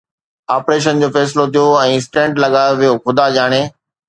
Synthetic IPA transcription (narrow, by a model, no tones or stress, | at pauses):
aːpɾeːʃ̬ənd͡ʑoːfɛːs̬ɪlot̪ʰijoɛ̃ːɪsʈɛ̃ːɳʈlɐɠaːoʋijoxʊd̪aʄaːɽ̃eː